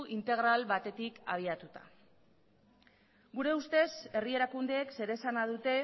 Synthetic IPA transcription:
int̪e̞ɣ̞ɾalβat̪e̞t̪ika̰β̞iat̪ut̪ḁ̰ | ɡuɾe̞ust̪e̞se̞rie̞ɾakund̪e̞ːkse̞ɾe̞sanað̞ut̪e̞

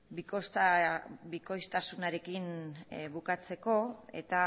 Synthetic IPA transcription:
bikos | biko̞jst̪asunaɾe̞kinβukat͡se̞ko̞e̞̰t̪a

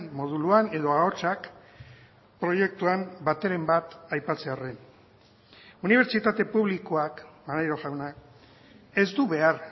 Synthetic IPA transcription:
nmo̞ð̞uluane̞ðo̞ao̞t͡ʃak | pɾo̞je̞k̚t̪uambat̪e̞ɾe̞mbat̪ajpat͡se̞are̞n | uniβ̞e̞ɾt͡ʃit̪at̪e̞puβ̞likoakmanajɾo̞ʝawna | e̞zd̪uβe̞ar

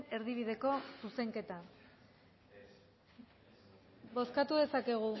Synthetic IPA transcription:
e̞ɾðiβ̞iðe̞ko̞suse̞ŋke̞t̪a | bo̞skat̪uðe̞sake̞ɣ̞u

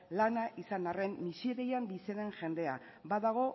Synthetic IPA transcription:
lanaʔisanare̞mːisiɾejambiseðe̞ŋʝe̞nd̪e̞a̰ | baðaɣ̞o̞

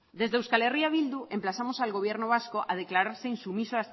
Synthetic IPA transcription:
d̪e̞zðewskaleriaβ̞ild̪ue̞mplasamosalɣo̞β̞je̞ɾnoβ̞askoʔaðeklaɾaɾseinsumisoas

